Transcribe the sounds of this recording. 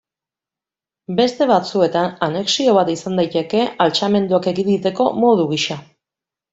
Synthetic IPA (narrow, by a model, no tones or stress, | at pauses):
be̞st̪e̞β̞at͡sue̞t̪anane̞ksio̞β̞at̪isand̪ajt̪e̞ke̞alt͡ʃame̞nd̪uake̞ɣind̪it̪e̞ko̞mo̞ðuɣiʃa